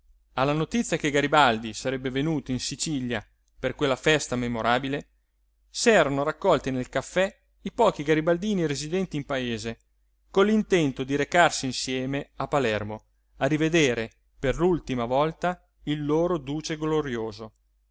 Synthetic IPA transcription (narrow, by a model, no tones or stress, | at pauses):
alːanot̪it̪sːjakeɡaɾibald̪isaɾɛbːevenuːt̪oinsit͡ʃilja | perkwelːafɛst̪amemoɾaːbile | sɛːɾanoɾakːɔlt̪inelkafːɛ | ipɔːkiɡaɾibald̪iːniɾezid̪ɛnt̪iːmpaeːze | kolːint̪ɛnt̪od̪iɾekarsiːnsjɛːmeapːalɛrmo | arived̪eːɾe | perlult̪imavɔlt̪a | ilːoːɾod̪uːt͡ʃeɡloɾjoːzo